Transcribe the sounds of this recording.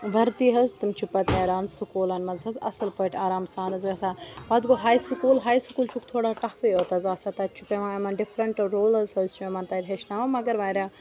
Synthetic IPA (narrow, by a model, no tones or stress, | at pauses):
ʋɐɾt̪iɦɐzt̪umt͡ʃʰupɐt̪ɐːɾaːnsukuːlɐnmɐzɐzɐ̰sɐlpəːʈʲʰaːɾaːmsaːnɐzɡɐsaːbɐd̪ɡoɦaːjsukuːlɦaːjsukuːlt͡ʃʰukt̪ʰoːɽaʈɐfeoːt̪ɐzaːsaːt̪ɐt͡ʃʰupeʋãːemɐnɖɪfɾɐɳʈɾoːlɐzɦəzt͡ʃʰuemɐnt̪aːɾʲɦeʃnaːʋɐmɐɡɐɾʋaːɾʲaː